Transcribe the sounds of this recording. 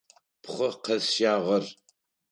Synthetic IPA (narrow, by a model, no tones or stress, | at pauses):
pχʷɐqɐsaːʁɐr